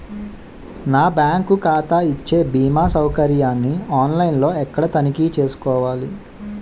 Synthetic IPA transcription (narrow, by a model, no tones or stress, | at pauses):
naːbjaːŋkukaːt̪aːit͡ʃːe̞ːbiːmaːsɐwkɐɾjaːnːiaːnlɐjnlo̞ːɛkːɐɽɐt̪ɐnikit͡ʃe̞ːsu̥kɔːʋaːli